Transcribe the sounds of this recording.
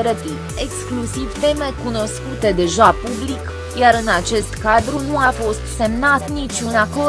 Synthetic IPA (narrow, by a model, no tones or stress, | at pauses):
ɾət̪i | e̞ksklusivfe̞me̞kuno̞skut̪e̞d̪e̞ʒapublik | jaɾɨnat͡ʃe̞st̪kad̪ɾunuafo̞st̪se̞mnat̪nit͡ʃʲunako